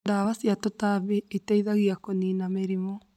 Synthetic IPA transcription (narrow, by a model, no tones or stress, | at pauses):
daβasjatotaβietaiðaɣiakoninameɾimɔ